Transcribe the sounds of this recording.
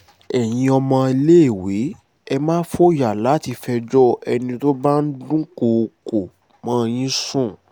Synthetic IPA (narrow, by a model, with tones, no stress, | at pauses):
ɛ˨j̃ĩ˧ɔ˧mã˧i˧le˦e˦˨we˨˦ | ɛ˧mãː˦fo˦ja˨la˨˦ti˧fɛ˧d͡ʒɔ˦ɛ˧nĩ˧to˦ba˦n̩˦dũ˦ko˧ko˨ | mãː˦j̃ĩ˦sũ˦˨